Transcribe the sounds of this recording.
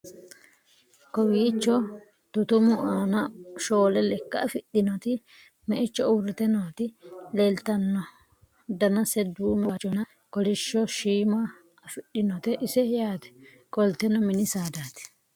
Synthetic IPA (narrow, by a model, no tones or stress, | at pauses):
kɔwiːt͡ʃːɔ | t̪ʊt̪ʊmʊʔaːnɐʃoːlɛlɛkːɐfɪɗɪnɔt̪ɪ | mɛʔɪt͡ʃːɔʊɾɪt̪ɛnɔt̪ɪlɛlt̪ɐnːɔ | d̪ɐnɐsɛd̪uːmɛat͡ʃɔnɐ | kɔlɪʃːɔʃiːma | ɐfɪɗɪnɔt̪ɛʔɪsɛjaːt̪ɛ̥ | kʼɔlt̪ɛnɔmɪnɪsaːd̪aːt̪ɛ̥